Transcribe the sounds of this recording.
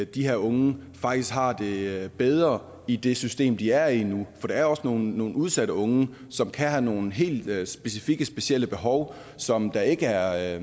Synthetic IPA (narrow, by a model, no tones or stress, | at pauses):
d̥ihe̝ɐ̰ɔ̽ŋəfɑ̈ɡ̥d̥isɡ̥ɦɑ̈d̥e̝b̥eð̞ˠʁɐ | id̥e̝sysd̥e̝̰ːmd̥iæɐinufɒ̽d̥ɑ̈æɐɒ̽sno̝ːnːo̝ːn̩uð̞ˠsæɾəɔ̽ŋə | sɒ̽mkʰæhæno̝ːn̩ɦe̝̰ːld̥sb̥e̝sifiɡ̥əsb̥e̝siel̰əb̥e̝ɦɒʊ | sɒ̽md̥ɑ̈e̝ɡ̥əæɐ